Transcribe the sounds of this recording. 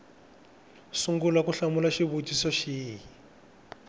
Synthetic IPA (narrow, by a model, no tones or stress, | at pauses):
suŋɡulakuɬamulaʃiβutisɔʃiːji